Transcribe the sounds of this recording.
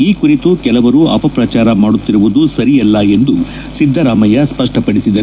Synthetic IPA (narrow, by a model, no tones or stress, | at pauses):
iːkuɾit̪ukɛlɐʋɐɾuʔɐpɐpɾɐt͡ʃaːɾɐmaːɽut̪ːiɾuʋud̪usɐɾijɐlːɐe̞nd̪u | sid̪ʱːɐɾaːmɐjɐspɐʂʈɐpɐɽisid̪ɐɾ